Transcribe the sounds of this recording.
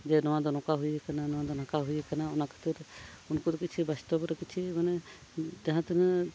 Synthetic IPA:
d͡ʒɛnɔwãd̪ɔnɔkaɦujɛkananɔwad̪ɔnakaɦujɛkanaɔnakʰə̥t̪iɾ | unkud̪ɔkit͡ʃʰibast̪ɔbɾɔkit͡ʃʰimanɛ | t̪aɦãt̪ɛnɛ

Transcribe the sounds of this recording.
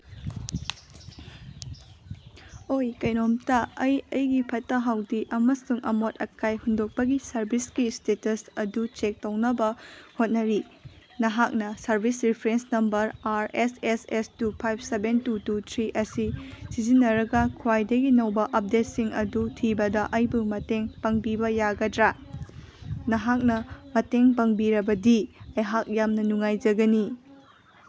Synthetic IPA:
ojkɐjnomtɐːjɐjɡipʰɐtːɐɦawdiʔɐmɐsuŋʔɐmotɐkʰajhundok̚pɐɡisɐɾbʱisɡistetɐsɐdut͡ʃek̚townɐbɐhot̚nɐɾi | nɐɦak̚nɐsɐɾbʱisɾipʰɾensnɐmbɐɾaɾesesestupʰajp̚ʰsebentututʰɾiʔɐsisizinːɐɾɐɡɐkʰuwajdɐɡinɐwbɐʔɐp̚det̚siŋɐdutʰibɐdɐʔɐjbuŋmɐteŋpɐŋbibɐjaɡɐdɾa | nɐɦak̚nɐmɐteŋpɐŋbiɾɐbɐdiɐjɦak̚jamnɐnuŋajd͡ʒɐɡɐni

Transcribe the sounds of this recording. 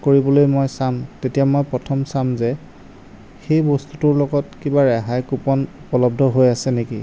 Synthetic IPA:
koɹibɔlojmojsamtetijamojpɹɔtʰɔmsamzɛ | xejbɔstu̥tuɹlɔɡɔtkibaɹɛɦajkupɔnupɔlɔb̚dʱɔɦojasɛnekḭ

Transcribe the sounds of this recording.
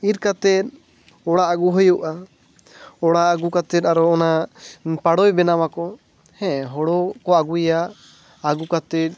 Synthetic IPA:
it̪̚kat̪ɛt̪̚ | ɔɽaaɡuɦɔjuʔa | ɔɽaaɡukat̪ɛt̪̚aɾɔɔnapaɽɔjbɛnamakɔ | hɛ̃ʔɦɔɽɔkɔaɡujaʔ | aɡukat̪ɛt̪̚ˀ

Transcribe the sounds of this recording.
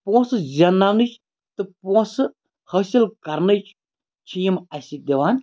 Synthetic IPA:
põːsɨzʲɐnaʋnɨt͡ʃʰ | t̪ɨpõːsɨ | hɐːsilkɐɾnɨt͡ʃʰ | t͡ʃʰijimɐsʲid̪ʲiʋaːn

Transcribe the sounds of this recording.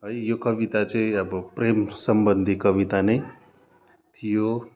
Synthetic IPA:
ɦəjjokɐʋit̪at͡ʃeɐbpɾeːmsəmbənd̪ʱikəʋit̪ane | t̪ʰijo

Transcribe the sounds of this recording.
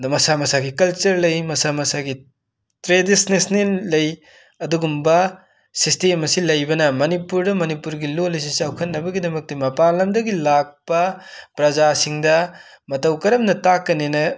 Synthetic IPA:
mɐsamɐsaɡikɐlt͡ʃɐɾlɐjmɐsamɐsaɡi | tɾedisnesnilɐj | ɐduɡumbɐ | sistemɐsilɐjbɐnɐmɐnipuɾdɐmɐnipuɾɡilolɐjs̬isawkʰɐtːɐbɐɡidɐmɐk̚timɐpalɐmdɐɡilak̚pɐpɾɐzasiŋdɐ | mɐtɐwkɐɾɐmnɐtakːɐnenɐ

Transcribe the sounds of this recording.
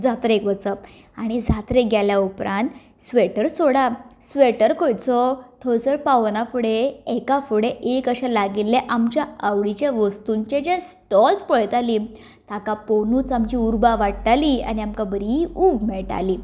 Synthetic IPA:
d͡zat̪ɾekʋət͡səp | aɽ̃id͡zʱat̪ɾeɡʱjaljaupɾãnt̪ | sʋeʈəɾsoɽasʋeʈəɾkojt͡sɔt̪ʰɔɾsəɾpaʋnafuɽeekafuɽeʔekəɕalaɡilːeʔamt͡ɕjaəʋɽit͡ɕjaʋəst̪uɲt͡ɕed͡ʑesʈɔlspəɭt̪ali | t̪ãkaponuːt͡samt͡ɕiuɾbaʋaʈʈalia̰niamkabəɾiuːbmɛɭʈa̰liː

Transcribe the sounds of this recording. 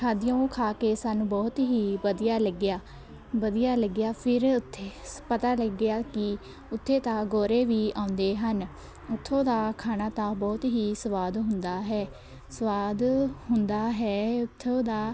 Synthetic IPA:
kʰaːd̪ɪjõːkʰaːkeːsaːnũːbɔːt̪ɦiːbəd̪ijaːləɡɪjaː | bəd̪ijaːləɡɪjaːpʰɪɾʊt̪ʰːeːpət̪aːləɡɪjaːkɪ | ʊt̪ʰːeːt̪ãːɡoːɾeːʋiːaːʊ̃nd̪eːɦən | ʊt̪ʰːõːd̪aːkʰaːnaːt̪ãːbɔːt̪ɦiːsəʋaːd̪ɦʊnd̪aːɦɛː | səʋaːd̪ɦʊnd̪aːɦɛːʊt̪ʰːõːd̪aː

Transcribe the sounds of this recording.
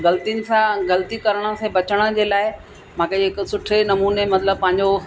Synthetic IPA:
ɡɐlt̪inɪ̆sãɡɐlt̪ikɐɾəɽ̃ə̆sẽbɐt͡ɕəɽ̃ə̆d͡ʑeːlaːɪ | mãːkʰeɦɪksʊʈʰenɐmuːnemɐt̪ləb̚pɐ̃ɦɪ̃ɲ̆d͡ʑo

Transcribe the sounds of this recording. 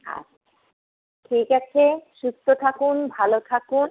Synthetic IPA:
a̰t͡ɕ | ʈʰikat͡ɕʰeʃust̪ot̪ʰakunbʱalot̪ʰakun

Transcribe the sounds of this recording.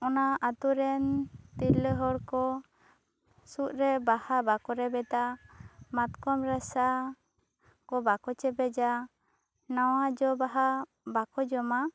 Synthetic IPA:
ɔnaat̪uɾɛnt̪iɾləɦɔɾkɔ | suʔɾɛbahabakɔɾɛbɛt̪amat̪kɔmɾɛsa | kɔbakɔt͡ʃɛbɛd͡ʒa | nawad͡ʒɔbaɦa | bakɔd͡ʒɔma

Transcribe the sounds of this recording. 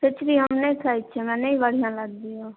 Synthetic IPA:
pɪt͡ʃʰɾiːɦəmnẽĩːkʰlaːit͡ʃʰeːmɛ̃ːneĩːʋəɽɪjãːləɡ̚d̪iːjoː

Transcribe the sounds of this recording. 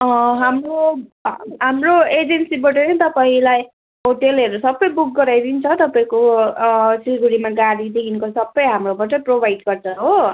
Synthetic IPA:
ʌɦamro | ɦamroed͡zensibʌʈʌnʌt̪ʌpaĩlaj | ɦoʈelɦeɾusʌbːʌjbuk̚ɡʌɾajd̪int͡sʰʌt̪ʌpaĩko | siɡuɾimaɡaɽid̪ekʰinkosʌbːʌjɦamrobaʈ̬ʌprobʱajɖɡʌrt͡sʰʌɦo

